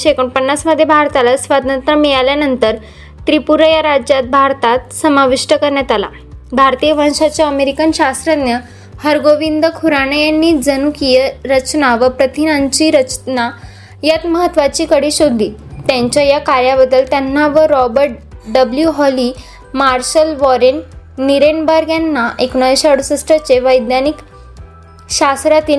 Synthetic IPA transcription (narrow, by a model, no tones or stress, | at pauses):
ɕekəɳpənːasməd̪ʱːjebʱaɾt̪alasʋad̪ʱnənt̪ɾəmijaljanənt̪əɾ | t̪ɾipuɾəjaɾad͡ʑjat̪̚bʱaɾt̪at̪səmaʋiʂʈəkəɾɳjat̪ala̰ | bʱaɾt̪ijəʋə̃nɕat͡ɕjaəmeɾikənɕast̪ɾəd̪njə | həɾɡoʋind̪əkʰuɾanəjanːiːd͡zənukijəɾət͡ɕnaʋəpɾət̪inaɲt͡ɕiːɾət͡ɕna | jat̪məɦət̪ːʋat͡ɕiːkəɽiːɕod̪ʱːiːt̪jãɲt͡ɕjajakaɾjaʋəd̪ːəlt̪janːaʋəɾɔbəɾʈ̚ɖəbljuɦɔli | maɾɕəlʋɔɾenːiɾeɳbəɾɡjanːaʔekɳ̃ɔeɕaɽsəsʈɾat͡ɕeʋəjd̪nanik | ɕast̪ɾat̪iː